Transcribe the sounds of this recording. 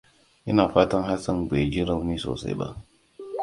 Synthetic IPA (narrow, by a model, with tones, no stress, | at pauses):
jɐ˦naː˨ɸaː˦tɐ˦ŋɦa˦sɐ˦ŋɡ͡beː˨d͡ʒi˦ɾɐ˦wniː˦so̰ː˨sa̰˦jba̰˦ʔ